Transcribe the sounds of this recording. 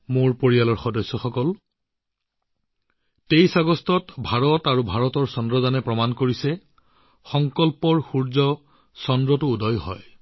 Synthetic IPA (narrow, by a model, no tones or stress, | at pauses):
moɹpoɹijalɔɹxɔdɔsːɔxɔkɔl | tejsaɡɔstɔtbʱaɹɔtaɹubʱaɹɔtɔɹsɔndɹɔdanɛpɹɔmankoɹisɛ | xɔŋkɔlpɔɹxuɹzɔ | sɔndɹɔtʊːdɔjɦɔ̰j